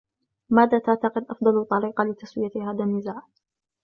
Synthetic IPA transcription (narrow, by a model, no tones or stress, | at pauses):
maːðaːt̪aʕt̪ɑqɪd̪ʔɑfd̪ˤɑlt̪ˤːɑɾiːqɑlɪt̪aswɪjahaːðanːɪzaːʕ